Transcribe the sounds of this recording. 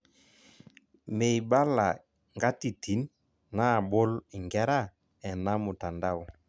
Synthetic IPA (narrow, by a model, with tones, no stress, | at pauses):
me˨jba˦la̰˨ | ŋɡa˦ti˨tʰi˨˦n | na˦˨bo˦li˨ŋɡɛ˦ɾa˦˨ | ɛ˨na˦mo˨ta˨nda˦wɔ˦